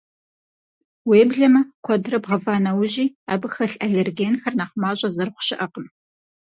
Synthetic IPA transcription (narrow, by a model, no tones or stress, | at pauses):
weːbɮɐmɐkʷʰɔdrɐbʁɐvaːnɐwʑiːaːbɨxɐɬʼɐɮerɡeːnxɐrnaːχmaːɕʼɐzɨrχʷʊ̥ɕɪʔɐqəm